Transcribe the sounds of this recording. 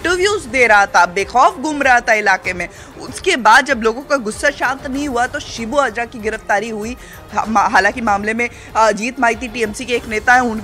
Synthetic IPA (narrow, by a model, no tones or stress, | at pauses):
ʈəʋjuːzd̪eːɾɐɦat̪ʰabeːxɔːfɡʱuːmɾaɦat̪ʰaɪlaːqemẽ | ʊ̰skebaːd̪̚d͡ʒɐbloːɡõkaɡʊsːaʃãːnt̪nɐɦĩɦuat̪oʃɪbuəd͡ʒɾakiɡɪɾəft̪aːɾiɦui | ɦaːlãːŋkimaːmlemẽ | d͡ʒiːt̪maːit̪iʈiːɛmsikeːkneːt̪aɦɛ̃ʊn